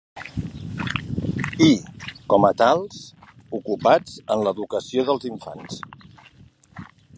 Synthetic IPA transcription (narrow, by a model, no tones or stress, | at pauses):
ikɔmət̪alˠz | ukupad͡zənləðukəsioðəlˠziɱfa̰ns